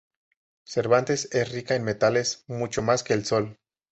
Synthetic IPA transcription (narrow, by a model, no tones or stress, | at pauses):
se̞ɾβant̪e̞se̞srikaenme̞t̪ale̞smut͡ʃo̞maske̞ːlso̞l